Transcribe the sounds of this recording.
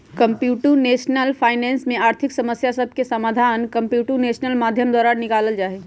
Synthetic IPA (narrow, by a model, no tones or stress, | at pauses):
kə̃mpjuːʈuneːʃnəlpʰaːɪnɛ̃ːnsmẽaːɾt̪ʰɪksəməsjasəb̚ʱkesəmaːd̪ʱaːnkə̃mpjuːʈuneːʃnəlmaːd̪ʱjəmd̪ɔːɾaːɾnɪkaːləld͡ʒaːɦeː